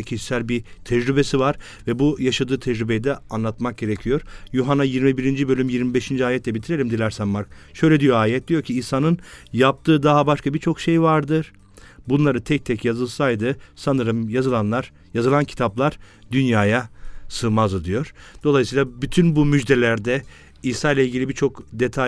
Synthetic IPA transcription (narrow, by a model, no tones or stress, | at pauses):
cʰiʃsælʲbit̪ʰɛd͡ʒɾybe̞sivaɾ | vɛbujaʃad̪ɯːt̪ʰɛd͡ʒɾybejid̪ɛanlˠat̪mak̚ɟe̞ɾecʰijo̞ɾ̥juɦanajiɾmibiɾind͡ʒibølʲymjiɾmibeʃind͡ʒiaːjɛt̪lʲɛbit̪ʰiɾe̞lʲimd̪ilʲæɾsænmaɾk̚ʃø̞jlʲɛd̪ijo̞aːjɛt̪̚d̪̥ijoɾcʰiisanɯnjap̚t̪ʰɯːd̪aɦabaʃkʰabit͡ʃʰo̞kʃe̞jvaɾd̪ɯɾ̥ | bunlˠaɾɯt̪ʰɛc̚t̪ʰɛcjazɯlˠsajd̪ɯsanɯɾɯmjazɯlˠanlˠaɾ̥ | jazɯlˠancʰi̥t̪ʰaplˠaɾ̥d̪ynjaːjasɯːmazɯd̪ijo̞ɾ̥d̪̥olˠajɯsiːlˠabyt̪ʰynbumyd͡ʒd̪e̞lʲæɾd̪ɛ | iːsaːjlˠailʲɟʲilʲibiɾt͡ʃʰo̞kd̪e̞t̪ʰa